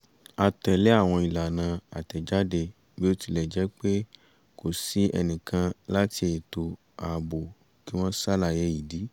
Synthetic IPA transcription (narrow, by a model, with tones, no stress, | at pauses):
a˧tɛ˨lɛ˦a˦˨w̃ɔ̃˧i˨la˨nã˨˧a̰˨tɛ˨d͡ʒa˦de˧ | bi˦o˦ti˧lɛ˨d͡ʒɛ˨˦k͡pe˦ | ko˨si˨˦ɛ̰˧nĩ˨kʰã˧la˦ti˧˦e˨to˧ | a˨bo˨ | ki˦w̃ɔ̃˦sa˦la˧˨jɛ˨˧˦ji˨di˨˦